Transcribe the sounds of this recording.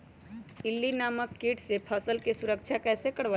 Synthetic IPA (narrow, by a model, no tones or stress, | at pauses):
ɪlːinaːməkːiːʈsepʰəsəlkesʊɾəkʃʰakɛːsekəɽʋa